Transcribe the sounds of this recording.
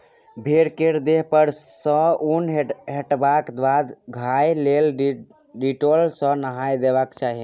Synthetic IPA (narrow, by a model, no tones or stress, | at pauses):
bʱeɾkeɾd̪eɦpəɾsə̃unɦeʈbakd̪wad̪ɡʱajlel | ɖiʈolsə̃nəɦajd̪ebakt͡ʃaɦi